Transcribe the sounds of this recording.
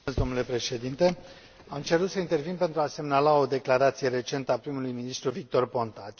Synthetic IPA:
ezd̪o̞mnule̞pɾe̞ʃe̞d̪int̪e̞ | amt͡ʃe̞ɾut̪səint̪e̞rvinpe̞nt̪ɾuase̞mnalao̞d̪e̞klaɾat̪sije̞ɾe̞t͡ʃe̞nt̪əapɾimulujminist̪ɾuvik̚t̪o̞rpo̞nt̪at͡ʃ

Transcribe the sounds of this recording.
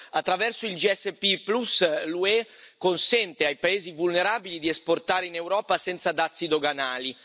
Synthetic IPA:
at̪ːɾavɛrsoild͡ʒiɛsːepiplusluɛkonsɛnt̪eajpaeːzivulneɾaːbilid̪iɛsport̪aːɾeinewɾɔːpasɛnt̪sad̪at̪sːid̪oɡanaːli

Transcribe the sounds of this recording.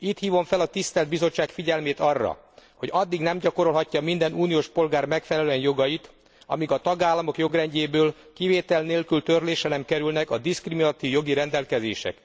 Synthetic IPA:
it̪hiːvo̞ɱfɛlɒt̪ist̪ɛld̪̚bizo̞t͡ʃːaːkfiɟɛlmeːt̪ɒrːɒ̰ | ho̞ɟɒd̪ːiɡnɛmɟɒko̞ɾo̞lɦɒcːɒmind̪ɛnuːnijoːʃpo̞lɡaːrmɛkfɛlɛløɛnjo̞ɡɒjit̪ | ɒ̰miɡɒt̪ɒɡaːlːɒmo̞kjo̞ɡrɛɲɟeːbøːl | kiveːt̪ɛlneːlkylt̪ørleːʃɛlɛmkɛɾylnɛkɒd̪iskriminɒt̪ivjoɡiɾɛnd̪ɛlkɛzḛːʃɛ̰k

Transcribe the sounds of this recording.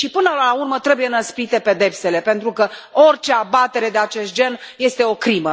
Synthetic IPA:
ʃipɨnəlaurmət̪ɾe̞bujenəspɾit̪e̞pe̞d̪e̞pse̞le̞pent̪ɾukəo̞rt͡ʃe̞abat̪e̞ɾe̞d̪e̞at͡ʃe̞st̪̚d͡ʒe̞nje̞st̪e̞o̞kɾimə

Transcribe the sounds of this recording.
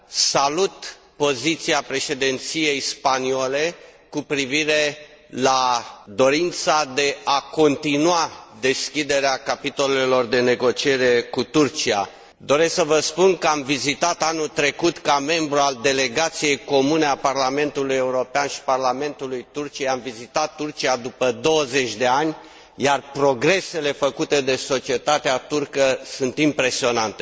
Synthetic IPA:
salut̪ | po̞zit̪siapɾe̞ʃe̞d̪ent̪sije̞jspaniole̞kupɾiviɾe̞ | lad̪o̞ɾint̪sad̪e̞ako̞nt̪inuad̪e̞skʲid̪e̞ɾeakapit̪o̞le̞lo̞rd̪e̞ne̞ɡo̞t͡ʃie̞ɾe̞kut̪urt͡ʃia̰ | d̪o̞ɾe̞sksəvəspunkəamvizit̪at̪anut̪ɾe̞kut̪kame̞mbɾuald̪e̞le̞ɡat̪sije̞jko̞mune̞aparlame̞nt̪uluje̞uɾo̞peanʃi̥parlame̞nt̪ulujt̪urt͡ʃiejamvizit̪at̪ːurt͡ʃiad̪upəd̪o̞wəze̞t͡ʃʲd̪e̞anʲ | jarpɾo̞ɡɾe̞se̞le̞fəkut̪e̞d̪e̞so̞t͡ʃie̞t̪at̪eat̪urkəsunt̪impɾe̞sio̞nant̪e

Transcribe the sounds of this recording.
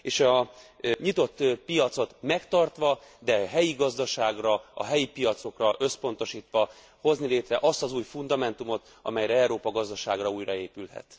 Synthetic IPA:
eːʃɒɲit̪o̞t̪ːpijɒt̪so̞t̪mɛkt̪ɒrt̪ʋɒd̪ɛɦɛjiɡɒzd̪ɒʃaːɡrɒɒ̰ɦɛjipijɒt̪so̞krɒʔø̞spo̞nt̪o̞ʃiːt̪ʋɒ | ho̞znileːt̪rɛʔɒst̪ɒzuːjfund̪ɒmɛnt̪umo̞t̪ | ɒmɛjɾɛɛɾoːpɒɡɒzd̪ɒʃaːɡrɒuːjrɒeːpylɦɛ̰t̪

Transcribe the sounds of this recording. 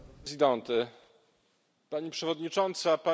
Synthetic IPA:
zʲid̪ɔnt̪ɘ | paɲipʂɛvɔd̪ɲit͡ʂɔnt̪sapa

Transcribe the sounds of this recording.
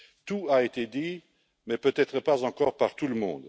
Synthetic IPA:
t̪uaet̪ed̪i | mɛpøt̪ɛt̪χəpazɑ̃kɔːʁpaʁt̪uləmɔ̰̃d̪

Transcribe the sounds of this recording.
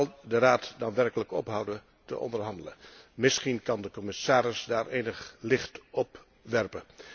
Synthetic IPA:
lˠdəraːtdɑnʋɛrkələkɔ̰pɦʌwdə | tə̰ʔɔ̰ndəɹɦɑndələnmɪsχinkɑndəkɔmɪsaːɾɪsdaːɹʔeːnəχlɪχtɔp | ʋɛrpə

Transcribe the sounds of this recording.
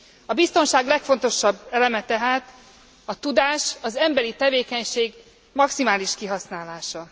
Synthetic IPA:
ɒbist̪o̞nʃaːɡlɛkfo̞nt̪o̞ʃɒbːɛlɛmɛt̪ɛɦaːt̪ | ɒt̪ud̪aːʃɒzɛmbɛɾit̪ɛveːkɛɲʃeːɡ | mɒksimaːliʃkiɦɒsnaːlaːʃɒ

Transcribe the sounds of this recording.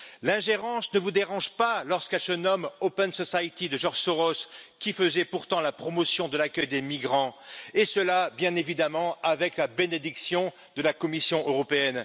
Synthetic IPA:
lɛ̃ʒeʁɑ̃snəvud̪eʁɑ̃ʒpalɔʁskɛlsənɔmopɛnsɔsajt̪id̪əʒɑʁʒsɔʁɔskʲifəzɛpuʁt̪ɑ̃lapχɔmɔsjɔ̃d̪əlakʲœjd̪emiɡʁɑ̃esəlabjɛ̃nevid̪amɑ̃avɛklabened̪iksjɔ̃ | d̪əlakɔmisjɔ̃ʔøʁɔpeɛn

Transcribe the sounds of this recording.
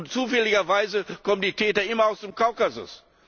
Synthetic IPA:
nt͡suːfɛlɪɡɐvaɪzəkʰɔməndiːtʰɛːtɐɪmɐaʊsd̥emkʰaʊkazʊ̰s

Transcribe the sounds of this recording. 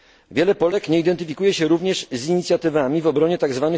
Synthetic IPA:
vʲjɛlɛpɔlɛkɲɛid̪ɛnt̪ɘfʲikujɛɕɛɾuvɲɛʂziɲit̪sʲjat̪ɘvamʲivɔbɾɔɲɛt̪aɡzvanɘ

